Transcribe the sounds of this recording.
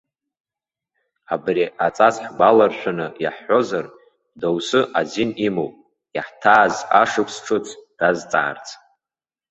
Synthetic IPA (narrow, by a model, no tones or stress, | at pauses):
abriʔat͡sʼat͡sħɡʷalarʃʷᶣanɨja̰ħːo̞zar | dawsɨʔazinimowpʼ | aħtʰaːzaʂɨpʰsʈ͡ʂʰɨt͡sʰd̥azt͡sʼa̰ːrt͡sʰʼ